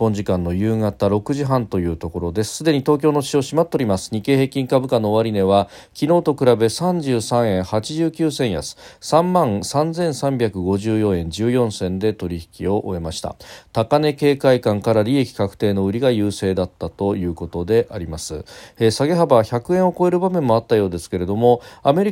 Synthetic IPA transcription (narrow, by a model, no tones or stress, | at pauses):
ipːõ̞ɲ̟d͡ʑikãnːo̞jɯ̟ːŋat̪aɾo̞kɯ̟ʑiɦãnt̪o̞jɯ̟ːt̪o̞ko̞ɾo̞d̪e̞sɨ̥sɨd̪e̞ɲ̟it̪o̞ːk̬ʲo̞ːno̞ɕio̞ːɕimat̪ːoɾʲimasɨ̥ɲ̟ike̞ːhe̞ːkʲĩŋkabɯ̟kano̞ːaɾʲine̞βa | kʲino̞ːt̪o̞kɯ̟ɾabe̞sãɲd͡ʑɨːsãɰ̃ẽ̞ɰ̃hat͡ɕiʑɨːkʲɨːsẽ̞ɰ̃ja̰t͡sɨ̥sãmːãɴsãnd͡zẽ̞ɰ̃sãmbʲakɯ̟ɡo̞ʑɨːjõ̞ẽ̞ɲ̟d͡ʑɨːjõ̞ɰ̃sẽ̞nd̪e̞t̪o̞ɾʲiçi̥kʲio̞ʔoe̞maɕi̥t̪a̰t̪akane̞ke̞ːkaikãŋkaɾaɾʲie̞kʲi̥kakɯ̟̥t̪e̞ːno̞ɯ̟ɾʲiɡajɯ̟ːse̞ːd̪at̪ːat̪o̞jɯ̟ːko̞t̪o̞d̪e̞ʔaɾʲimasɨesaɡe̞ɦabaçakɯ̟ẽoko̞e̞ɾɯ̟bamẽ̞mːo̞at̪ːajo̞ːd̪e̞sɨ̥ke̞ɾe̞d̪o̞mo̞ame̞ɾʲi